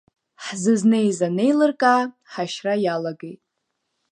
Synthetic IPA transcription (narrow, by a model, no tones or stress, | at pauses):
ħzɨznɨjzane̞jlɨrkʼaː | ħaʃrajalaɡe̞jtʼ